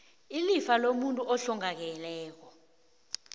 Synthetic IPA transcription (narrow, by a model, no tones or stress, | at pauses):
ilifalomuntʼuʔɔɬɔŋak̬ɛlɛːk̬ɔ